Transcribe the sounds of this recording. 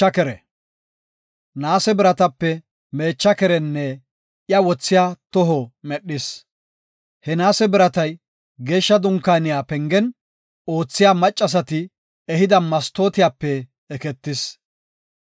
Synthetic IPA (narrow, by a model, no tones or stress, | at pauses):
ɐkɛɾɛ | naːsɛbɪɾɐt̪ɐpːɛ | me̞ːt͡ʃːɐkɛɾɛnːɛ | ɪjɐwɔt͡sːɪjaːt̪ɔɦɔmɛɗːɪs | hɛnaːsɛbɪɾɐt̪ɐj | ɡe̞ːʃːɐd̪ʊŋkːaːnɪjaːpɛŋɡɛn | o̞ːt͡sːɪjamɐt͡ʃʼːɐs̬ɐt̪ɪ | ɛɦɪd̪ɐmɐst̪o̞ːt̪ɪjaːpːɛː | kɛt̪ːɪs